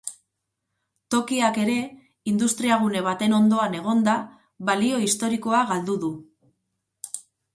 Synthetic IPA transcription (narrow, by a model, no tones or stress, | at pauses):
t̪o̞kiake̞ɾe̞ | ind̪ust̪ɾiaɣ̞une̞βat̪e̞no̞nd̪o̞ane̞ɣ̞o̞nd̪a | βalio̞ist̪o̞ɾiko̞aɣald̪uðu